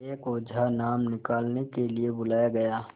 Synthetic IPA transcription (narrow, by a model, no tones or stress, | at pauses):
eːkoːd͡ʒʱanaːmnɪkaːlnekeliebʊlaːjaɡɐjaː